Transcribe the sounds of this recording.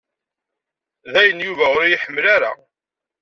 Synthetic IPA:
ðæjənjuvæʊɾjɪħəmːlaɾa̰

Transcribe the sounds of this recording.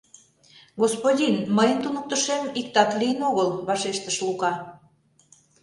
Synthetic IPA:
ɣospodʲinməjənt̪unək̚t̪ə̆ʃemikt̪ɑt̪lijənoɣəlβɑʃeʃt̪əʃlukɑ

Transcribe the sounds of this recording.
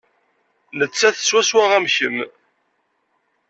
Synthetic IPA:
lət͡sːæθə̥sːwæswæʁæmçəm

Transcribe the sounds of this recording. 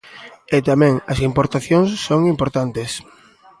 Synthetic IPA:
et̪amɛ̃ŋɐsimpoɾt̪aθjoŋsːoŋimpoɾt̪ant̪es

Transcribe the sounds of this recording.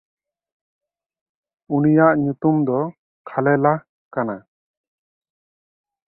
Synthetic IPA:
unijaʔɲut̪umd̪ɔ | kʰalɛla | kana

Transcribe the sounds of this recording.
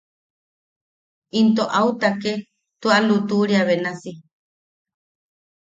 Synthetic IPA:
int̪oʔaut̪ake | t̪ualut̪uɾiaβenasi

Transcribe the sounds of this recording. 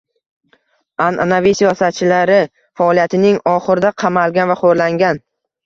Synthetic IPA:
anʔa̰navijsijɒsat̪̚t͡ʃʰɪlaɾɪ | faɒlˠijat̪ʰɪnɪŋɒχɨɾd̪aqʰɑmalˠɡʲanvaχoɾlaŋɡʲan

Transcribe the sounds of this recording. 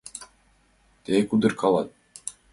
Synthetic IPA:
t̪ekud̪ɯɾkʰɑlˠɑt̪̚

